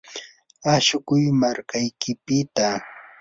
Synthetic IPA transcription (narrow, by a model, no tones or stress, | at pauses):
aʃʊkʊjmaɾkajkʰɪpɪt̪a